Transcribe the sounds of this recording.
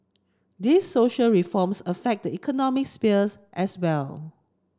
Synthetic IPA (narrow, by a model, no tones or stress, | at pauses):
disːoʃəlɹifɔmsəfɛk̚dəikʰɔnɔmɪk̚spisʔɛswɛl